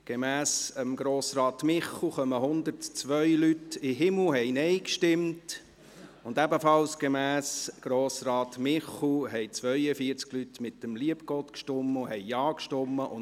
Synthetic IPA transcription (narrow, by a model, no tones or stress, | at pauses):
ɡ̥emæːsəmɡɾoːsɾɑːt̪mɪχlχœməɦʊnd̪əɾtt͡sʋœʏlytɪɦɪml̩ɦɛɪnɛɪkʃtɪmt | ʊndæbəfɑlsɡ̥emæːsɡ̥ɾoːsɾɑːt̪mɪχl̩ɦɛɪt͡sʋœʏəfiəɾt͡sɡ̥lytmɪt̚ːəmliəpɡ̥ɔt̪kʃtɔmːʊhɛɪjɑːkʃtɔmːəʔʊn